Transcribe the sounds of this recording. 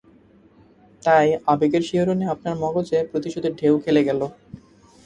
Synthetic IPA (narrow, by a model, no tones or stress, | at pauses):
t̪ajabekeɾʃiɦoɾoneapnaɾmɔɡot͡ɕepɾot̪iʃod̪eɾɖʱewkʰeleɡɛlo